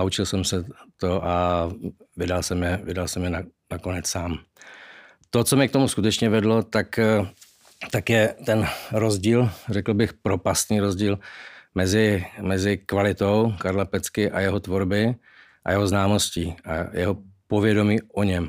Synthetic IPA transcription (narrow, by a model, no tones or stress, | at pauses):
aut͡ʃɪlsɛmsɛt̪o̞ʔa | vɪdalsɛmjɛvɪdalsɛmjɛnanako̞nɛt͡ssaːm | t̪o̞t͡somɛkt̪o̞muskut̪ɛt͡ʃɲɛvɛdlo̞t̪ak | t̪akjɛt̪ɛnɾozɟiːlrɛkl̩bɪxpɾo̞past̪niːɾo̞zɟiːlmɛzɪmɛzɪkvalɪt̪o̞wkaɾlapɛt͡skɪʔajɛɦot̪vo̞ɾbɪ | ʔa̰jɛɦo̞znaːmo̞sciːa̰jɛ̰ɦo̞povjɛdo̞miːʔoɲɛm